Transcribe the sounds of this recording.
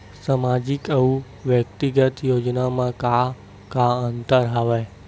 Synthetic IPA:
samad͡ʒikəũ | ʋjək̚t̪iɡət̪jod͡ʒnamãka | kaənt̪əɾɦəʋa

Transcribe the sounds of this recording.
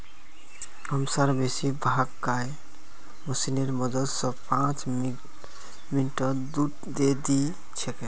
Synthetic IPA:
əmsaɾbesibʱaɡkae | məsineɾməd̪əd̪sə̃pãt͡ʃ | minʈəd̪u | d̪ed̪i | t͡ʃʰeke

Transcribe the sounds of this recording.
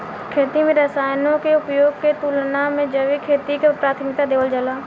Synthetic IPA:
kʰeːt̪imẽɾəsaːjnõkeʊpjoːɡ̚ket̪ulnamẽd͡ʒəʋikʰeːt̪ikepɾaːt̪ʰmɪk̚t̪ad̪eːʋəld͡ʒəlaː

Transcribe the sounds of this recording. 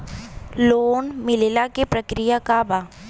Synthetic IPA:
loːnmɪlelakepɾəkɾijakabaː

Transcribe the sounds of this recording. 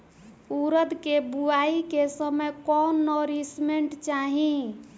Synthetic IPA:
uɾəd̪kebuaikesəməjkɔnːɔɾismeɳʈt͡ʃaɦĩ

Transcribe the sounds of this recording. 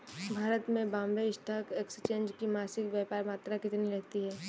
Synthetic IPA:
bʱaːɾət̪mẽbãːmbeɪʃt̪ʰakekst͡ʃẽːnd͡ʒkimaːsɪkʋjaːpaːɾmaːt̪ɾakɪt̪niɾɐɦt̪iɦɛː

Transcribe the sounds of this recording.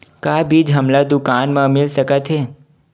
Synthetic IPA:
kabʱiːd͡ʒɦəmlad̪ʊkaːnmãmɪlsəkət̪ʰɦe

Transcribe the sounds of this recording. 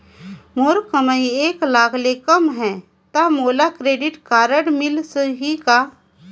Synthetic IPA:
moːɾkəməieːklaːkʰlekəmɦɛ̃ | t̪amoːlakɾeːɖɪʈkaːɾəɽmɪlsəɦikaː

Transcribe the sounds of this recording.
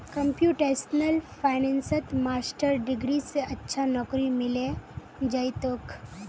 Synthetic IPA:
kɐ̃mpjuːʈeːsnəlfʰaːɪnɛ̃ːnsət̪maːsʈəɾɖɪɡɾiseɐtːʃʰanɔːkɾimɪle | d͡ʒɐjt̪ok

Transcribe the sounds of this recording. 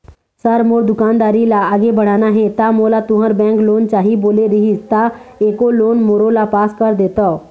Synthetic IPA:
səɾmoːɾd̪ʊkaːnd̪aːɾilaaːɡebəɽaːnaɦẽt̪aːmoːlaːt̪ʊɦəɾbɛ̃ːŋkloːnt͡ʃaːɦiboːleɾɪɦit̪aːeːkoːloːnmoːɾoːlaːpaːskəɾd̪eːt̪aː

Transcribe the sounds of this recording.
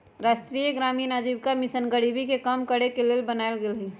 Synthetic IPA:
ɾaːsʈɾiːjəɡɾaːminad͡ʒibkamɪsənɡəɽibikekamkəɽekeleːlbənaːelɡeːlɦi

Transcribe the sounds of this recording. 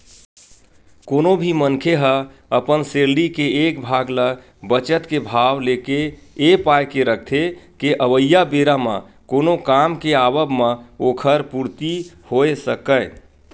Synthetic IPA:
konobʱimənkʰeɦə | əpənseɾlikeekbʱaɡlə | bət͡ʃət̪kebʱawleke | epajkeɾək̚ʰt̪ʰekeʔəʋəjːabeɾamã̰ | konokamkeabəbmə̃okʰəɾpuɾt̪i | hoesəkəj

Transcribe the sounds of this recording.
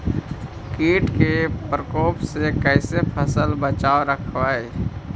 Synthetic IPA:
kiːʈkepɾəkoːpsekɛːsepʰəsəlbət͡ʃaːoɾəkʰwaːe

